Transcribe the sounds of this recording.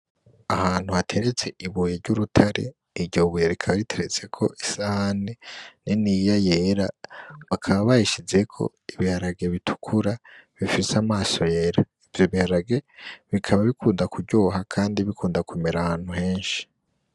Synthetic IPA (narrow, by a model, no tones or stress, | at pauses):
ahaːn̥huhatʰe̞ɾet͡se̞ʔiβujeɾɟuɾutʰaɾe̞̰ | iɾɟoβujeɾikʰaβaɾitʰe̞ɾet͡se̞kʰo̞ʔisahaneninijajeːɾaβakʰaβaβaheʃize̞kʰo̞̰ | iβihaɾaɡe̞βitʰu̥kʰuɾaβifiseamaːso̞je̞ːɾa | ivjoβihaɾaɡe̞βikʰaβaβikʰuːndakubɟo̞ːɦakʰaːndiβikʰuːndakumeɾahaːn̥huɦe̞ːnʃi̥